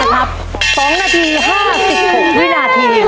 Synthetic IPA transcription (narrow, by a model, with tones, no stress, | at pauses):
kʰa˦˥p̚ | sɔː˨˦ŋnaː˧t̪ʰiː˧ɦaː˥˩a˨˩p̚si˨˩p̚so˨˩˨t̪ʰiː˦˥naː˧t̪ʰiː˧